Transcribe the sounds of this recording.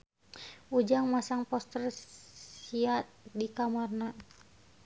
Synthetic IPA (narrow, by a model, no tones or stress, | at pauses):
ud͡ʒaŋmasaŋpɔst̪ər | iat̪̚dikamarna